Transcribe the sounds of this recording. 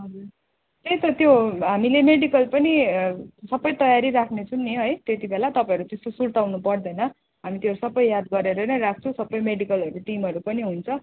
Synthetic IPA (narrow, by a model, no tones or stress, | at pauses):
ʌd͡zur | t̪ejt̪ʌt̪joɦamilemeɖikʌlpʌni | sʌbʌjt̪ʌjaɾiɾakʰnet͡sʰunːijoɦʌjt̪jet̪ibelat̪ʌpãẽjʌɾut̪est̪osurt̪awnupʌrd̪ʌjnʌ | ɦamit̪eʌɾusʌbːʌjːad̪ɡʌɾeɾʌnʌɾast͡sosʌbːʌjmeɽikʌlɦʌɾuʈimɦʌɾupʌniɦunt͡sʰʌ